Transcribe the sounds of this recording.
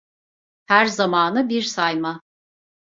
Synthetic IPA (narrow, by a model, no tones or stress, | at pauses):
hæɾzamaːnɯbiɾsajma